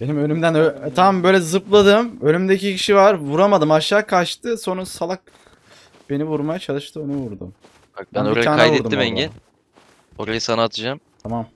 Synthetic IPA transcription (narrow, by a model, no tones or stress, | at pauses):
b̥e̞nimø̞nymd̪ænøt̪ʰambø̞jlʲɛzɯplˠad̪ɯmønʲymd̪ecicʰiʃivaɾvuɾamad̪ɯmaʃːaːkʰat͡ʃt̪ʰɯso̞nusalˠak̚ | b̥e̞nivuɾmajat͡ʃʰalˠɯʃt̪ʰɯønymvuɾd̪ṵm | bænaːnajduɛɾd̪uːimɛɲɟɛ | okesanaat̪ʰɯd͡ʒamt̪ʰamam